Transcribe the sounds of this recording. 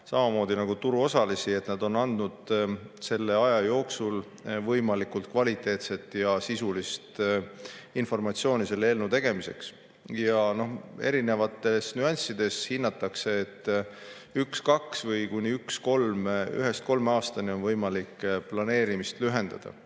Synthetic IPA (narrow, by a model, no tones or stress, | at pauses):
sɑmɑmo̞ːd̪inɑɡ̥ut̪uɾuo̞sɑlisie̞t̪ˑnɑd̪o̞nɑnd̪nud̪̥se̞lːe̞ɑjɑjo̞ːksul | vɤjmɑlikult̪̚kvɑlʲit̪ːˑe̞ːt̪se̞t̪ːˑjɑsisulist̪ | info̞rmɑt̪sio̞ːnise̞lːeelnut̪e̞ɡ̥e̞mise̞̰ks | jɑno̞he̞̰ɾine̞vɑt̪ːˑe̞snyɑnʲsid̪̥e̞shinːɑt̪ːˑɑkse̞ːt̪ː | ykskɑksvɤjkunʲiyksko̞lmy̰ɦe̞st̪̚ko̞lmɑːst̪ɑnio̞nvɤjmɑlikːplɑne̞ːɾimist̪lyɦe̞nd̪ɑ̰d̪̥ɑ̰